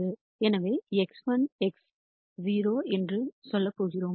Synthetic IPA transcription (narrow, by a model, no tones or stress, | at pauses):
ɯ | ɛnɐʋeːɛksʋɐnɛks | ziːɾoːɛndrɯsɔlːɐpːoːɣɪɾoː